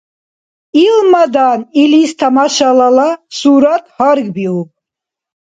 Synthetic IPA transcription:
ilmad̪anilist̪ʰamaʃalalasuɾat̪̚ʰhaɾɡbiup̚ʰʼ

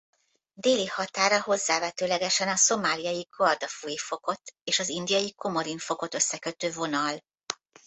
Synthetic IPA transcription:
d̪eːlihɒt̪aːɾɒho̞zːaːvɛt̪øːlɛɡɛʃɛnɒso̞maːlijɒjiɡord̪ɒfujifo̞ko̞t̪eːʃɒzind̪ijɒjiko̞mo̞ɾinfo̞ko̞t̪ø̞sːɛkø̞t̪øːvo̞nɒl

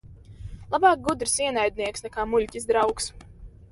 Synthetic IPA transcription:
lˠabɑːk̚ɡud̪ɾisiɛnajd̪ʲniɛksnɛkaːmuʎʲcizd̪ɾawks

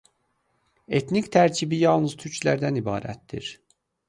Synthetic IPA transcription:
e̞t̪nict̪ʰæɾcʰibijɑlˠnɯz̥t̪ʰyɾcʰlæɾd̪ænibɑ̰ːɾæ̰t̪d̪ḭɾ

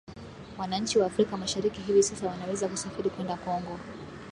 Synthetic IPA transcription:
wanaɲt͡ʃiwaːfɾikamaʃaɾikiɦivisasawanawɛzakusafiɾikwɛndakɔŋɡɔ

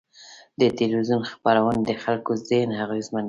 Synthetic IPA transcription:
d̪ət̪elizunxpaɾawənd̪əxalkozenhaɣezman

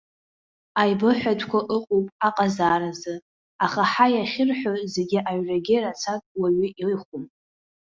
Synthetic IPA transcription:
ajbɨħʷᶣatʷʰkʷʰaʔɨqʷʼowpʼaqʼazaːɾazɨ | aχaħajaχʲɪrħʷᶣazeɡʲɪʔaɥraɡʲɪrat͡sʰakʼwaɥɪʔiɨχʷum

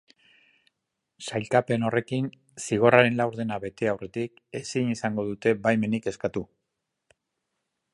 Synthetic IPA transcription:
sajlkape̞no̞re̞kin | siɣ̞o̞raɾe̞nlawɾðe̞naβe̞t̪e̞awre̞t̪ik | e̞sinisaŋɡo̞ðut̪e̞bajme̞nike̞skat̪u

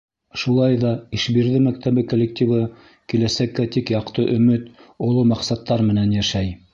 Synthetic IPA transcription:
ʃulˠɑjðɑiʃbiɾðɘmæk̚t̪æβɘkolʲːek̚t̪ʲivɤ | kilæsækːæt̪ikjɑqt̪ɤʔɵ̆mɘt̪ŏlˠomɑqsɑt̪ːɑɾmɘ̆nænjæʃæj

